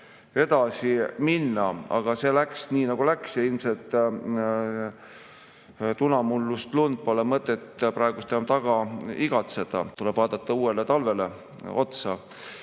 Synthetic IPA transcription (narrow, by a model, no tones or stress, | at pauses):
e̞d̪̥ɑsiminːɑɑ̰ɡ̥ɑse̞læksniːnɑɡ̥ulæksjɑilmse̞lt̪ːˑ | t̪unɑmulːust̪lund̪̚polemɤt̪ːˑet̪ːpɾɑeɡ̥ust̪eomt̪ɑɡ̥ɑiɡ̥ɑt̪se̞d̪̥ɑ̰t̪ule̞b̥vɑːd̪̥ɑt̪ːɑuːe̞let̪ɑlve̞le̞ | o̞̰t̪sɑ